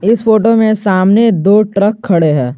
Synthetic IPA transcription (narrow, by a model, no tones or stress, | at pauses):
ɪsfoːʈomẽsaːmned̪oːʈɾəkʰːɐɽeɦɛ̃ː